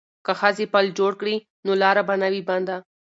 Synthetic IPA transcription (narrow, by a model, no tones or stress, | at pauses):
kɐxaːzipɐld͡ʒoːɽkɽi | nolaːɾabɐnaʋibɐ̃nd̪aː